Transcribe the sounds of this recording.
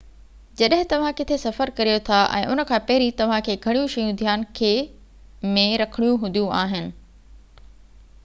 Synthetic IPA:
d͡ʑɐɗɦɪ̃t̪ɐʋ̤ãkɪt̪ʰesɐfəɾkɐɾijot̪ʰaʔɛ̰̃ːʔʊnə̆kʰãːpɐɦɪɾit̪ɐʋ̤ãkʰeːɡʱɐɽ̃ijũʃɐjũd̪ʱjaːnkʰeː | mẽɾɐkʰəɽ̃ijũɦʊd̪ʱjũʔaːɦɪnɪ̆

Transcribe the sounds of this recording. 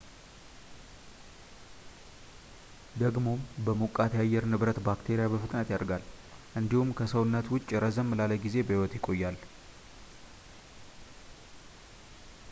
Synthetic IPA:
d̪əɡmo̞mbəmokʼːat̪jajːɛɾnɨβɾət̪bakt̪ʰe̞ɾijabəfɨt̪ʼnət̪jaɾɡal | ʔɨnd̪ihumkʰəsəwnːət̪wʊt͡ʃʼːɾəzəmːlaləɡize̞bəhiwɔt̪jɪkʼːo̞jːal

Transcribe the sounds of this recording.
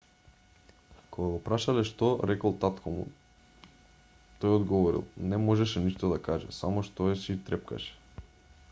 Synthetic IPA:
koɡaɡɔpɾaʃalɛʃt̪ɔɾɛkɔlˠt̪at̪kʰomṵ | t̪ɔjɔd̪ɡɔvɔɾḭlˠnɛmɔʒɛʃɛniʃt̪od̪akaʒɛ̰samɔʃt̪ɔɛʃit̪ɾɛp̚ka̰ʃɛ̥

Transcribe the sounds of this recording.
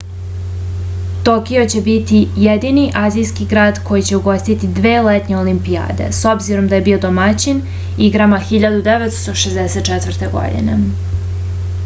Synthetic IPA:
t̪o̞kio̞t͡ɕe̞bit̪ijed̪iniʔaːzijskiɡɾaːd̪kʰo̞jit͡ɕe̞uɡo̞st̪it̪id̪ʋeːlet̪ɲe̞olimpija̰ːd̪e̞̰so̞bziɾo̞md̪aje̞biːo̞d̪omat͡ɕin | iɡɾamaxiʎad̪ud̪eʋet̪st̪o̞ʃezd̪ese̞t̪t͡ʃɛt̪ʋr̩t̪e̞ɡo̞̰d̪ḭne̞̰

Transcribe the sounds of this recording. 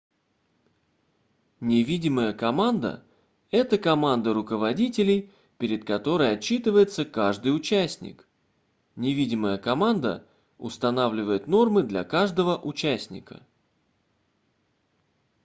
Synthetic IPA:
nʲɪvʲidʲɪməjəkɐmand̪ə̰ | ɛt̪əkɐmand̪əɾʊkəvɐdʲitʲɪlʲɪj | pʲɪɾʲɪt̪̚kɐt̪o̞ɾəjɐt͡ɕːit̪ɨvəjɪt̪səkaʐd̪ɨjʊt͡ɕæsʲnʲɪ̰k | nʲɪvʲidʲɪməjəkɐmand̪ə̰ | ʊ̰st̪ɐnavlʲɪvəjɪt̪no̞rmɨd̪lʲɐ̰kaʐd̪əvəʔʊt͡ɕæsʲnʲɪ̰kə̰

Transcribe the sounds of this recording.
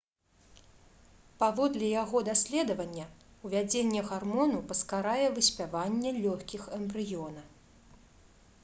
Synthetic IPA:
pavɔd̪lʲɛjaɣɔd̪asʲlʲɛd̪ɐvɐnʲːɛuvʲad͡zʲenʲːɛɣarmɔnupɐskaɾajɛvɨsʲpʲavanʲːɛlʲɔxʲkʲixɐmbɾɨjɔnɐ

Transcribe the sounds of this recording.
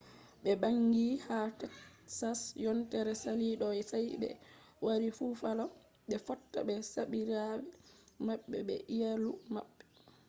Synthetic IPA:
ɓɛbaŋɡihatɛksasjɔntɛɾɛsaliɗɔjsajɓɛ̰ | waɾifufalɔ | ɓɛfɔtːa̰ɓɛsaɓiɾawɛmaɓːɛ̰ɓɛ̰ʔijalumaɓːɛ

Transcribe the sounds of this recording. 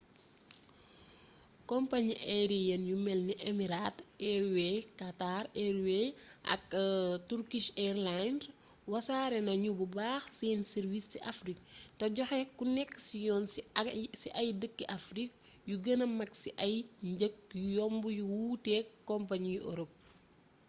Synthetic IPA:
kɔmpaɲiʔɛɾijɐnjumɛlniʔɛmiɾaːtɛɾwɛkataɾɛɾweʔɐ̰ktuɾkiʃɛrland | wɐsaːɾɛnɐɲububaːxseːnsɛɾvistiʔafrik̚toɟɔxɛkːunɛkːsijɔːn | siʔɐjdəkːiʔafɾik̚ | juɡənɐmɐksiʔɐjɲɟək̚jujɔmbujuwuːtɛːkːɔmpaɲjuʔɔ̰ɾɔp̚

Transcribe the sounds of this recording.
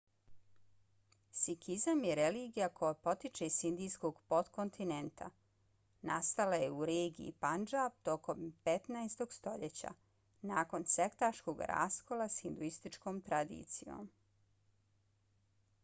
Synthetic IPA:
sikʰizamjeɾeliːɡijakojapo̞t̪it͡ʃeisind̪ijskoɡpot̪kont̪inent̪ʰa̰ | nast̪alajeuɾeːɡiḭpand͡ʒap̚t̪o̞ko̞mpet̪naest̪o̞ɡst̪o̞ʎet͡ɕa̰ | naːko̞nsekt̪aʃko̞ɡɾa̰ːsko̞lˠasxind̪uist̪it͡ʃkoːmt̪ɾad̪ḭt̪sijo̰ːm

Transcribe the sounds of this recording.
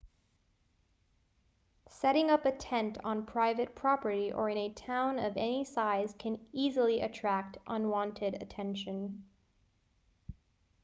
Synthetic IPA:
sɛɾɪ̃ŋʌpɨtʰɛ̃ntn̩pʰɹ̥aɪvɨt̚pʰɹ̥ɑpə˞ɾiʔə̰˞ɨ̃nɨtʰãʊ̃nʌvɛnisaɪz̥kʰɨ̃nizl̩ˠiʔɨtʰɹ̥æk̚tʔʌ̃nwɑ̃ntʰɨɾɨ̰tʰɛ̃nʃɨ̃n

